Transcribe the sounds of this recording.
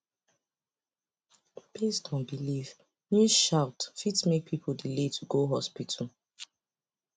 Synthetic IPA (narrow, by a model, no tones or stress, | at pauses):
b̥estʰɔ̃nbiliv | nuʃaʊtfitsmek̚pʰipʰoldiletʰuɡoɦɔspitʰəl̩